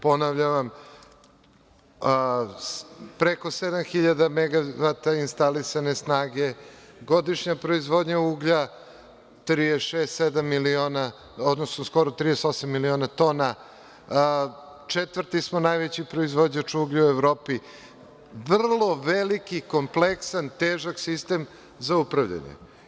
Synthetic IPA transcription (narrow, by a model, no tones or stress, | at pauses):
po̞naʋʎaʋam | pɾeko̞sed̪amxiʎad̪ameɡaʋat̪ainst̪alisane̞snaːɡe̞ɡo̞d̪iʃɲapɾo̞izʋo̞d̪ɲauːɡʎa | t̪ɾijeʃeːst̪sed̪amːiliona | od̪nosnosko̞ɾot̪ɾijesosamːilionat̪o̞na | t͡ʂet̪ʋvr̩t̪ismonajʋet͡ɕipɾo̞izʋod͡ʑɲat͡ʂuɡʎiuevɾoːpi | ʋr̩lˠo̞ʋelikiko̞mpleksant̪eːʒaksist̪e̞m | zaupɾaʋʎa̰ɲḛ